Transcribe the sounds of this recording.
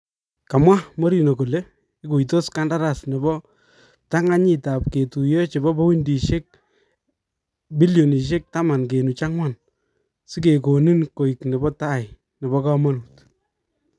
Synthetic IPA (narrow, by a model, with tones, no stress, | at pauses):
ka˨mwa˦mɔ˦ɾi˨nɔ˨ko˨le˦ | i˦ku˨i˨to˦ska˦nda˦ɾa˦sne˨bɔ˦ | ta˦ŋa˦ɲi˦ta˨pke˨tu˨je˦t͡ʃe˨bɔ˦bɔ˦wi˦ndi˨ʃe˦k̚ | bi˦ljo˨ni˨ʃ̬e˦k̚ta˦ma˨nk̬e˨nu˨t͡ʃa˦ŋwa˦˨n | sɪ˦ke˨ko˨ni˦nko˨i˨kne˨bɔ˦ta˦j | ne˨bɔ˦ka˦ma˦nu˨t